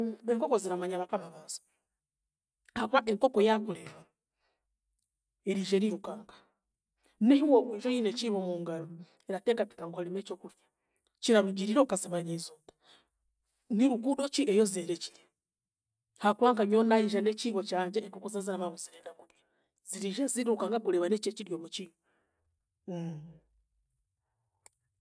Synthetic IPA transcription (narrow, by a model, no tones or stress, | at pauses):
eŋkokoziɾamaɲaβakaβaβazḁ | hakwaʔeŋkokojakuleβa | eɾiʒeɾiɾukaːŋɡḁ | nehiwowiʒojineciβomuːŋɡaɾo | eɾatekati̥kaŋɡohalimet͡ʃokuɾjḁ | t͡ʃiɾaβiɟiɾiɾokasiβaɲeizoːtḁ | niɾukuɗot͡ʃiʔejozieɾeci̥le | hakwaːŋkaβjonaiʒaneciβot͡ʃaːɲd͡ʒeːkukuzazanamaβuziɾeːndaŋɡuβja | ziɾiʒeziɾukaːŋɡakuleβanet͡ʃet͡ʃiɾjomut͡ʃiβo